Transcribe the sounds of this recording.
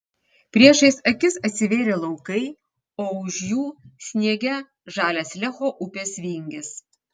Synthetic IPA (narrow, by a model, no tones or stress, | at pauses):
pʲɾʲiɛʃɐɪsɐkʲɪsɐt̪ʲsʲɪʋʲeːɾʲelˠɐʊkɐɪ | oːʊʃjuːsʲnʲiɛɡʲɛ | ʒɑːlʲɛːslʲɛxoːʔʊpʲeːsʋʲiːŋʲɡʲɪs